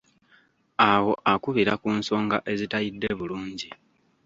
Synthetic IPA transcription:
awo̞ʔakuβiɾakuːnso̞ːŋɡaʔe̞zitajidːe̞βuluːɲɟi

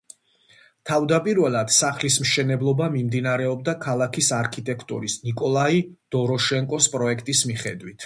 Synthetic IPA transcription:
t̪ʰavd̪apʼiɾvɛlˠad̪̥saχlismʃɛnɛblˠɔbamimd̪inaɾɛɔb̚d̪akʰalˠakʰisaɾkʰit̪ʼɛkʰt̪ʼṵɾisnikʼɔlˠaid̪̥ɔɾɔʃɛŋkʼɔspʼɾɔɛkʰt̪ʼismiχɛd̪wit̪ʰ

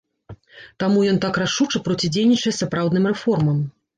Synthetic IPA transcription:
t̪amujɔnt̪akraʂut͡ʂɨpɾɔt͡sʲid͡zʲejnʲit͡ʂɐjɛɐsapɾawd̪nɨmrɛfɔrmɐm

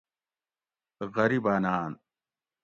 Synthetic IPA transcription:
ɣɐɾibaːnaːn

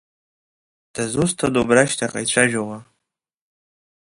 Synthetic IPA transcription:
d̥azustʰadobraʃtʰaqʼa̰jt͡ɕʷʰaʒᶣawa

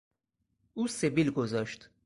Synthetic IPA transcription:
ʔuːsebilɡozɒʃt̪

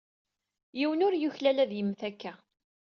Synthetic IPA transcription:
jiwənʊɾjuçlælæðjəmːθækːæ

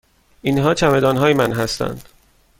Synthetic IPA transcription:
iːnɦɒːt͡ʃʰæme̞d̪ɒːnɦɒːjemænɦæst̪æ̰nd̪̥

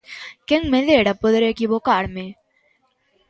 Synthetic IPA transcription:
keŋɡmẽleːɽapʊd̪ɾekibokaːɽmẽ

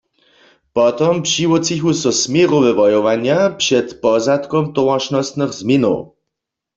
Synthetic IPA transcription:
pɔt̪ɔmpʂiwɔt͡sixusɔsmʲjɛʁɔvɛvɔjɔvaɲjapʂɛt̪pɔzat̪kɔmt̪ɔwãʃnɔst̪nɨxzmʲinɔ̰w

